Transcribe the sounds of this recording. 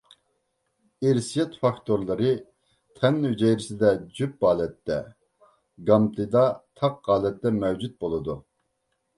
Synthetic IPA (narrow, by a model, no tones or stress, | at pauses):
eɾsijɛt̪fɑkt̪ʰoɾlˠɨɾɨ | t̪ʰɛnyd͡ʒɛjɾɪsɪd̪ɛd͡ʒyp̚bɑːlɛt̪ːɛ | ɡɑmt̪ʰɨd̪ɑt̪ʰɑq̚qːɑːlɛt̪ːɛmɛwd͡ʒyt̪̚bolˠɨd̪u